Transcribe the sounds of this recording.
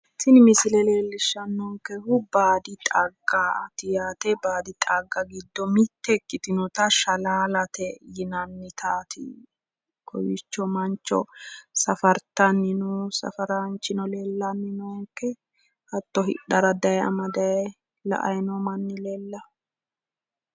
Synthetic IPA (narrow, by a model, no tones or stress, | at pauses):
t̪ːɪnɪmɪsɪlɛle̞ːlːɪʃːɐnːɔŋkɛhʊbaːd̪ɪt̪ʼɐɡat̪ɪjaːt̪ɛbaːd̪ɪt̪ʼaɡːɐɡɪd̪ːɔmɪt̪ːɛkːɪt̪ɪnɔt̪ɐʃɐlaːlɐt̪ɛjɪnɐnːɪt̪ʰaːt̪ʰɪ̰ | kʰɔ̰jɪt͡ʃːɔmɐnt͡ʃːɔ̰sɐfɐɾt̪ɐnːɪnusɐ̰fɐɾant͡ʃːɪnɔleːlːɐnːɪnɔŋkːɛ | hɐt̪ːɔɦɪ̰ɗɐɾɐd̪ɐjɛɐ̰mɐd̪ɐj | lɐ̰ʔɐ̰jnɔmɐnːɪlɛlːɐ